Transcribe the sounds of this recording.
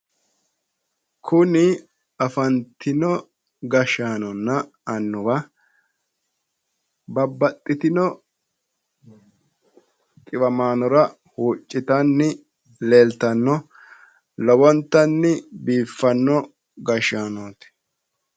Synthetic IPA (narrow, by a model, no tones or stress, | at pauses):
kʰʊnɪ | ɐfɐnt̪ʰɪnɔ | ɡɐʃaːnɔnːɐ | ɐnːʊwɐ | bɐbːɐt̪ʼːɪt̪ɪnɔ | t̪ʼɪbɐmaːnɔɾɐ | huːt͡ʃʼːɪt̪ɐnːɪ | leːlt̪ɐnːɔ | lɔbɔnt̪ːɐnːɪbiːfːɐnːɔ | ɡɐʃaːnoːt̪ɪ̥